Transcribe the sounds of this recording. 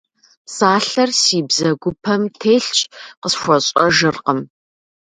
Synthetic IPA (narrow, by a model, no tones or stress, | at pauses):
saːɬɐrsiːbzɐɡʷʊpʰɐmtʰeːɬt͡ʃʼqəsxʷɔɕʼɐʒɨrqəm